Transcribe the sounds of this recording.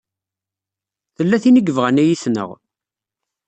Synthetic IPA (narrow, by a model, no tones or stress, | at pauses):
θəlːæθinəɡəvʁænæjisnə̰ʁ